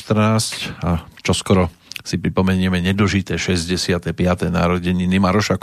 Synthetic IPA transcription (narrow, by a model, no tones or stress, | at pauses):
t̪r̩naːscat͡ʃɔskɔɾɔ | sipɾipɔmɛɲɪɛmɛɲɛd̪̩ʒit̪ɛːʃɛzɟɛsɪat̪ɛpɪat̪ɛna̰ːɾɔɟɛɲinimaɾɔʃak